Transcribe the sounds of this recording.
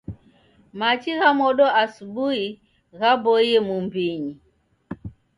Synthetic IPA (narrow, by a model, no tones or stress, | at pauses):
mat͡ʃiɣamɔɗɔʔasuɓui | ɣabɔjɛmumbiɲi